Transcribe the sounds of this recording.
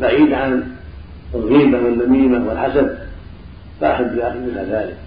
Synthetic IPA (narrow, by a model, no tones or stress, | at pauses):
baʕiːd̪ʕanˤ | hiːbawanːamiːmawɪlħasad̚ | faʔaħab̪ːɪlʔaxmɪlaðaːlɪk̚